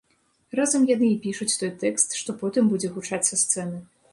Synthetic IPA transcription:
razɐmjanɨipʲiʂut͡sʲt̪ɔjt̪ɛkst̪ʂt̪ɔpɔt̪ɨmbud͡zʲɛɣut͡ʂat̪ʲsɐst̪sɛnɨ

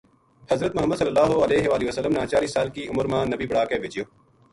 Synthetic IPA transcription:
hɐzɾət̪̚mʊɦəmːəd̪sɐləlːaːɦoɐleːɦeʋaːliʋəsəlːəmnãːt͡ʃaːɾiːsaːlkiːʔʊməɾmãːnɐbiːbɐɽaːkeːbʱed͡ʒijoː

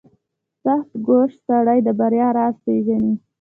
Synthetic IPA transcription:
saxt̪ɡoʂsaɽajd̪əbaɾjɑɾɑspeʒani

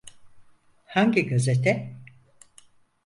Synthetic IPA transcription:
haɲɟiɡazet̪ʰɛ

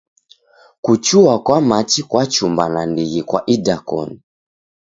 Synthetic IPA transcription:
kut͡ʃuakwamat͡ʃikwat͡ʃumbanandiɣikwa̰ʔidakɔ̰ni

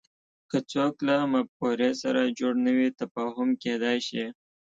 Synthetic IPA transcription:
kət͡soklamapoɾesaɾad͡ʒoɽnəwit̪afɑːɦʊmked̪ɑjʃi

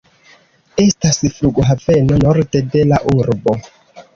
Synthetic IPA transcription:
e̞stasfɾuɡoɦave̞no̞noɾte̞de̞laʔuɾbo̞

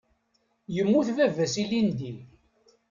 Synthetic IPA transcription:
jəmːuθvævæsilind̪i

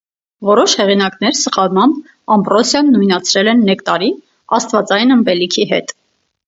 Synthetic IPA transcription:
vɔɾɔʃhɛʁinɑknɛɾsəχɑlmɑmb | ɑmbɾɔsjɑnːujnɑt͡sʰɾɛlɛnːɛkt̪ɑɾi | ɑst̪vɑt͡sɑjinəmpɛlikʰiɦɛ̰t̪

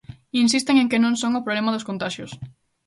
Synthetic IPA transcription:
insist̪eŋeŋkɪnõŋsõŋʊpɾoβlemaðʊskont̪aʃjʊs

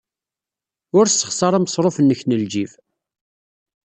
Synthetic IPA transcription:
ʊɾsːə̥χsˤɑɾˤɑməsˤɾˤofənːəçnəld͡ʒiv

